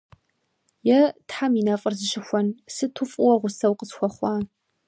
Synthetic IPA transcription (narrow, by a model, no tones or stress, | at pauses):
jɛtħaminafʼɨrzɨʃɪxʷɔnsɨtʰʊfʼʊwɐʁʷʊsɐwqəsxʷɔχʷɑː